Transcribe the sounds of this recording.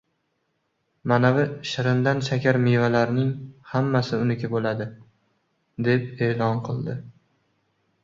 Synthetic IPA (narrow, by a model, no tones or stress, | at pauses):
manavɪʃɪɾɪmd̪anʃakʲʰaɾmevalaɾnɪŋhamːasɪʊnɪkʲabolad̪ɪ | d̪e̞p̚e̞ːlɒnqʰɨlˠd̪ɪ